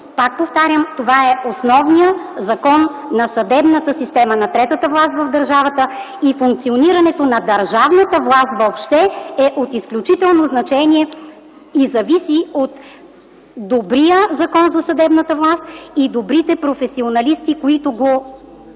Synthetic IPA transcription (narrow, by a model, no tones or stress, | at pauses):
pak̚poft̪aɾʲəmt̪ovaɛosnɔvnijəzɐkɔnː | ɐsɐd̪ɛbnət̪əsist̪ɛmənɐt̪ɾɛt̪ət̪əvlˠast̪vɐvd̪ɐɾʒavət̪ə | ifuŋk̚t̪sioniɾɐnɛt̪onɐd̪ɐɾʒavnət̪əvlˠast̪voːpʃt̪ɛɛʔot̪isklʲut͡ʃit̪ɛlˠnoznɐt͡ʃɛniɛ | izɐvisiot̪ | d̪obɾijəzɐkɔnzɐsɐd̪ɛbnət̪əvlˠast̪̚id̪obɾit̪ɛpɾofɛsionɐlist̪ikoit̪ʊɡo